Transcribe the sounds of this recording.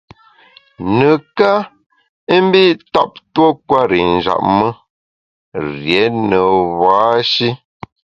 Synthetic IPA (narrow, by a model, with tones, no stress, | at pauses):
nə˨ka˦ | i˦m̩˦bi˦tɔ˦p̚two˦kwa˦ɾi˨n̩˨d͡ʒa̰˨ʔ̚mə˦ | ɾje˨˦nə˨βaː˨˦ʃi˦